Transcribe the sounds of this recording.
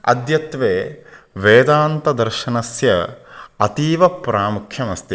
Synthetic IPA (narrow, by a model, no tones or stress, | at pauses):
ɐ̰d̪jɐt̪ʋeːʋeːd̪aːnt̪ɐd̪ɐɾʃɐnɐsjɐɐt̪iːʋɐpɾaːmukʰjɐmɐst̪i